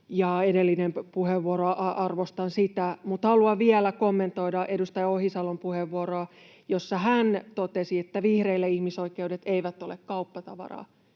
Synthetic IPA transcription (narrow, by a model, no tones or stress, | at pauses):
jɑedelːinempuheʋːuoroɑʔɑʔɑrʋost̪ɑnsit̪æmut̪hɑluɑʋielækomːe̞nt̪o̞idɑʔedust̪ɑjɑohisɑlompuheʋːuoroɑ | josːɑɦænt̪ot̪esiet̪ːæʋihreilːeihmisoikeudet̪eiʋæt̪ːolekkɑupːɑt̪ɑʋɑ̰rɑ̰ː